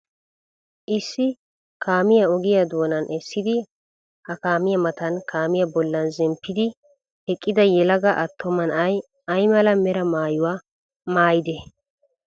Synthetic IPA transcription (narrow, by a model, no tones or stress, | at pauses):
ʔɪsːɪ | kaːmɪjɐɔɡɪjɐd̪oːnɐnʔɛsːɪd̪ɪ | hɐkaːmɪjɐmɐt̪ɐnkaːmɪjɐbɔlːɐnzɛmpːɪd̪ɪ | hɛkʼːɪd̪ɐjɛlɐɡɐʔɐt̪ʰːɔmɐnɐj | ɐjmɐlɐmɛɾɐmaːjʊwaː | maːjɪd̪ɛ